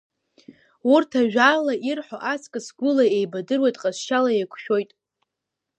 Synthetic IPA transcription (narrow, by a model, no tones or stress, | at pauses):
urtʰaʒᶣalaʔirħoʔaskʼɨsɡʷʊlaejbadɨrwejtʼqʼazʃalaekʷʰʃᶣo̞jtʼ